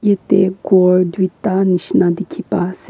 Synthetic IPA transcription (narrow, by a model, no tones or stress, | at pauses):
jet̪eɡoɾd̪wit̪aniʃnad̪ikʰipas